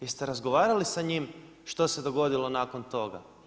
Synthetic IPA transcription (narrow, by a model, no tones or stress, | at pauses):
jist̪eɾazɡo̞ʋaːɾalisaɲim | ʃt̪o̞se̞d̪o̞ɡo̞d̪ilo̞naːko̞nt̪o̞ɡa̰